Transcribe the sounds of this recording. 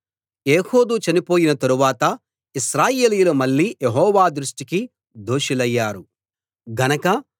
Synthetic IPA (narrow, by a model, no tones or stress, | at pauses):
eːho̞ːd̪ut͡ʃɐnipo̞ːjinɐt̪ɐɾuʋaːt̪ɐ | iʃɾaːje̞ːlijulɐmɐɭːiːjeɦɔːʋaːd̪ɾuʂʈiki | d̪oːʃilɐjːaːɾu | ɡɐnɐkɐ